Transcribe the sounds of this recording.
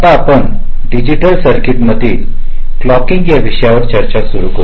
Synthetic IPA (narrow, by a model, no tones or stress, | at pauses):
t̪aːpəɳ | ɖid͡ʑiʈəlsəɾkiʈməd̪ʱiː | klɔkiŋɡjaʋiɕjaʋəʈt͡ɕəɾt͡ɕasuɾuko